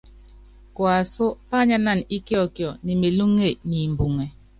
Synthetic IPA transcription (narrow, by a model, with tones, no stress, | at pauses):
kwa˨so˦pa˦ɲa˦na˦˨ni˦kjɔ˦˨kjɔ˨ni˨me˨lu˦ŋːe˦˨ni˨m̩˨bu˨ŋe˨